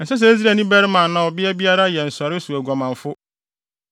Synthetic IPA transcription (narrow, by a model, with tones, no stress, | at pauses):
n̩˨sɛ˦s̬ɛ˨˦e˦s̬ɾe˨nĩ˦bæ˦ɾɪ˦mã˨nã˨ɔ˨bɪ˦ɛ˦bi˦a˦ɾa˦jɛ˨n̩˨sɔ˨ɾɪ˦su˨æ˨ɡɔ˨mã˨ɱ˨fʊ˦